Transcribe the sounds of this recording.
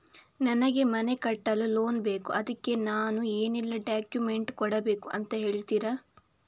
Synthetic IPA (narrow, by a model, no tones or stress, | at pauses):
nɐnɐɡe̞mɐne̞kɐʈːɐlːulo̞ːnbe̞ːkuʔɐd̪ɐkːe̞naːnue̞ːnilːɐɖaːkjume̞ɳʈkɔɽɐbeːkuʔɐnt̪ɐɦe̞ːɭt̪iːɾa